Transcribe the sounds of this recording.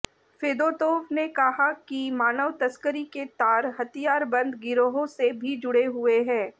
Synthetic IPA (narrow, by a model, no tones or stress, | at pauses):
feːd̪oːt̪oːʋnekɐɦakimaːnəʋt̪ɐskəɾiket̪aːɾɦɐt̪ijaːɾbɐ̃nd̪ɡɪɾoːɦõsebʱid͡ʒʊɽeɦʊeɦɛ̃ː